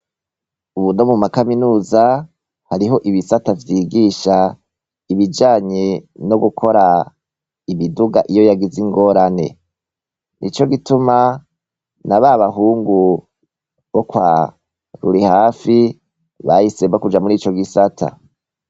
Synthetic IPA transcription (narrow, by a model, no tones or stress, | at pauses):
uβuno̞mumakaminuːza | haɾiɦo̞ʔiβisatavjiːɡiʃa | iβid͡ʒaːɲeno̞ɡukʰo̞ɾa | imiduɡaʔijojaɡiziŋɡo̞ːɾane̞̰ | nʔḭt͡ʃo̞ɡituma | naβaβaɦuːŋɡu | βo̞kwaː | ɾuɾihaːfi | βajisebakud͡ʒamuɾiːt͡ʃo̞ɡisatʰa̰